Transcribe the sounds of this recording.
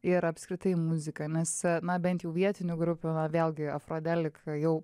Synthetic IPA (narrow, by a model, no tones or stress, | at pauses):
ɪɾɐpskɾʲɪt̪ɐɪmʊzʲɪkɐnʲɛsnɐbʲɛnt̪jɛʊʋʲiɛt̪ʲɪnʲʊɡɾʊpʲʊnɐʋʲeːlʲˠɡʲɪɐfɾoːd̪ʲɛlʲɪkjɛʊ